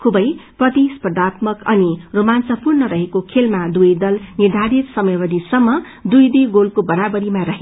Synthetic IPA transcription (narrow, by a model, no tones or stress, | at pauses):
kʰubʌjprʌt̪ispd̪at̪mʌkʌniromansʌpurnʌɾʌɦekokʰelmad̪ujd̪ʌlnid̪ʱaɾit̪sʌmʌjbʌd̪isʌmːʌ | d̪ujd̪eɡolkobʌɾabʌɾimaɾʌɦe